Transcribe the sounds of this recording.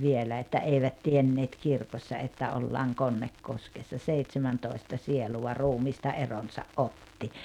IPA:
ʋielæ etːæ eiʋæt tienːeːt kirkosːɑ etːæ olːɑːŋ konːekːoskesːɑ seitsemæntoˑi̞stɑ sieluwɑ ruːmiːstɑ eronsɑʔ ʔotːi

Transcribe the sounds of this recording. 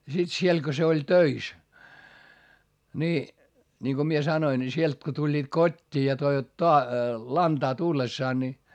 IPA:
jɑ sit siel ko se olʲ tøis ni niŋko mie sɑnoin ni sielt ko tulʲːiːt kotʲːiː jɑ toiʋɑt toɑ lɑntɑː tulːesːɑːn ni

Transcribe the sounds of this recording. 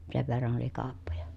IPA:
seʋ ʋerːɑn oli kɑːpːojɑ

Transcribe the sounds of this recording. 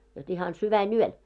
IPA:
jot ihɑn syʋænyøl

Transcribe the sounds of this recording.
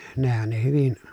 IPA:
nehæn ne hyʋin

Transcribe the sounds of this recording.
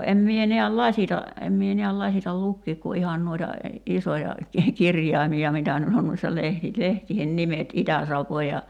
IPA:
em mie neæl lɑsʲitɑ em mie ni̞æl lɑsitɑl lukːiːk ku ihɑn nuoitɑ isojɑ ki kirjɑimiɑ mitæ nyt on nuoisːɑ lehti lehtiːhen nimet itæsɑʋːoː jɑ

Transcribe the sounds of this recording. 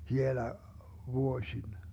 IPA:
hielæ ʋuosʲin

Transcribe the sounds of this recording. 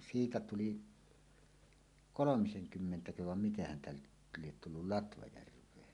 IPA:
siːtæ tuli kolomiseŋkymːentækøhæʋ ʋɑm miten hæntæ nyt liet tulːul lɑtʋɑjærʋˑeːn

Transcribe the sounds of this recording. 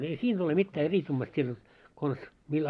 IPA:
ei siːn ole mitːæː eriskumːɑst siːn jot kons mil

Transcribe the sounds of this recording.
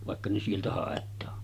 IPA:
ʋɑˑekːɑ ne sieltæ hɑˑetˑɑː

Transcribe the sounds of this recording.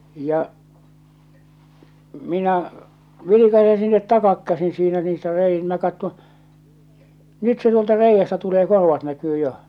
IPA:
jɑ minæ ʋilikɑse sinːet tɑkɑkːæsin̞ siːnæ niːstæ rei minæ kɑtːõː nyt se tuoltɑ reijːæstæ tuleː korʋɑt nækyː joh̆

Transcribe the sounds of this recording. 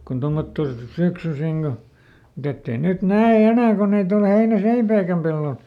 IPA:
kun tomːotːo syksysiŋ ɡ̊o mut etː ei nyt næe enæˑ ko nyt ol heinæseipæikæm pelːol

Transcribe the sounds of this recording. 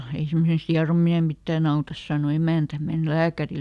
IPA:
ei semːosest hiɑromine mitːæːn ɑutɑs sɑˑno emæˑntæ men læːkæril

